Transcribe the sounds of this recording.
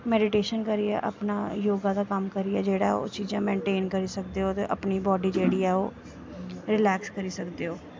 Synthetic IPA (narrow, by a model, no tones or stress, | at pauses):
mɛːɖɪʈeːʃənkəɾiɛ̰ːʔə̰pnaːjoːɡãːd̪aːkəmkəɾiɛːd͡ʒeːɽaːo̰ːt͡ʃiːd͡ʒãːmẽːɳʈeːnkəɾiːsək̚d̪eːoːt̪eːʔəpniːbɔːɖiːd͡ʒeːɽiːɛːoː | ɾɪlɛːkskəɾiːsəkd̪eːɦoː